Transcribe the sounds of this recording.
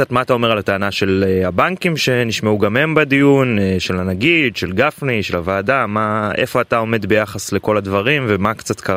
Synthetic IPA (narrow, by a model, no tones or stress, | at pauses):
kat̪maːt̪ao̞me̞ʁalat̪aːnaʃe̞leabaŋkimʃe̞niʃmauɡame̞mbad̪ijunʃelanaɡid̪ʃelɡafniʃe̞lavaːdamae̞fo̞ataome̞d̪be̞jaχasle̞ko̞ladvaʁimvemakt͡sat̪kaa